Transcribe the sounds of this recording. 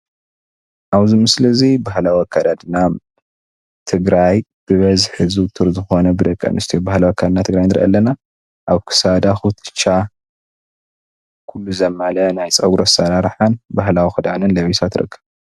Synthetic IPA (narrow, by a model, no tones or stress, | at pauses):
ʔaβzimɨslɐzibaɦlawakʰːad̪ad̪na | t̪ʰɨɡɾajb̥ɨβɐzħɨzut̪ʰɨɾzɨxo̞nɐbɨd̪ɐkʼːɐ̰nɨst̪ʰijobahlawakʰːad̪d̪nat̪ʰɨɡɾajnɨɾ̰ʔa̰lːɐna | ʔaβkʰɨ̥sad̪axut̪ʰɨ̥t͡ʃːa | kʰulːuzɐmːalɐnajt͡sʼɐɡɾosɐɾaɾħanbaɦlawixɨd̪anɨnlɐβisat̪ɾɨ̰kʰːɐβ